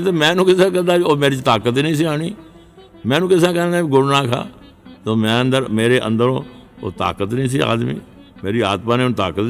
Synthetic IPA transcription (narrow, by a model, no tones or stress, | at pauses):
t̪emɛ̃ːnũːkɪsãːk̬əɾd̪aːbioːmeːɾit͡ʃt̪aːkət̪iːnəĩːs̬iːaːɳiː | mɛ̃ːnũːkɪsãːkənd̪aːbiɡʊɽnaːkʰa̰ː | t̪oːmɛ̃ːənd̪əɾmeːɾeːʔə̰̃nd̪əɾõːo̰ːt̪a̰ːkət̪nĩːs̬iːa̰ːd̪mḭː | meːɾiːa̰ːt̪paːneːnt̪aːkət̪